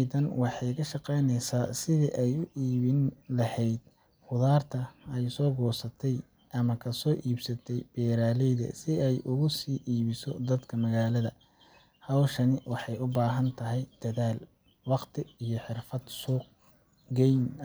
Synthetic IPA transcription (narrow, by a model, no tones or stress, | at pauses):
ðɐnwɑħɑjkʰɐʃɑqɛjnɛjsaːsɪðiʔɛjʊʔiːβɪnlɐhɛjd̪̥̚ | fʊðaːrt̪ʰɐɛjsɔːɡɔːsɐt̪ʰɛj | ʔɐmɐkʰɐsɔːʔiːbsɐt̪ʰɛjb̥ɛːɾaːlɛjðɐ̰sɪɛjʔʊɣʊsiːʔiːβɪsɔd̪ɐd̪kʰɐmɐɣaːlɐðɐ | hɐwʃɐnɪwɑħɑjʊbaːɦɐnt̪ʰɐɦɛjd̪̥ɐðaːl | wɑqt̪ʰɪijɔħɪrfɐd̪suːq̚ | ɡɛjn